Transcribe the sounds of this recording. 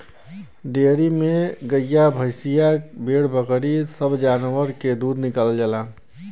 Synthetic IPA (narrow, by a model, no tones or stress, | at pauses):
ɖeɾimeɡəjːabʱəɪsijabeɽbəkɾisəbd͡ʒaːnwəɾked̪ud̪nɪkaːləld͡ʒalaː